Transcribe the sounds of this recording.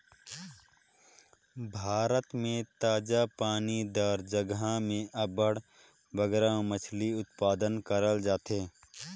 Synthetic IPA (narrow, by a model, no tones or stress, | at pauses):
bʱaːɾət̪mẽt̪aːd͡ʒapaːnid̪aːɾd͡ʒəɡamẽʔɐbəɽ | ʋəɡɾãmət͡ʃʰliʊt̪̚paːd̪ənkəɾəld͡ʒaːt̪eː